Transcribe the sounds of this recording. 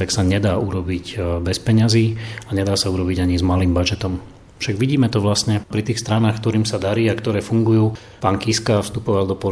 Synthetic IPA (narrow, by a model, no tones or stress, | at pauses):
t̪aksaɲɛd̪aːuɾɔbiɟbɛspɛɲaziːaɲɛd̪aːsauɾɔbiɟaɲizmaliːmbad͡ʒɛt̪ɔm | fʃaɡʋiɟiːmɛt̪ɔʋlasɲɛpɾit̪iːxst̪ɾanaːxkt̪ɔɾiːmsad̪aɾiːakt̪ɔɾɛːfuŋɡujuː | paːŋkiskafst̪upɔʋald̪ɔpɔ